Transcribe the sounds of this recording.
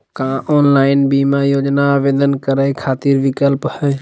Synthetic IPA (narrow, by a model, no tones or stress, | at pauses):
kãːʔɔːnlaːɪnbiːmajoːd͡ʒnaːʋeːd̪ənkəɾaikʰaːt̪iːɾʋɪkəlphə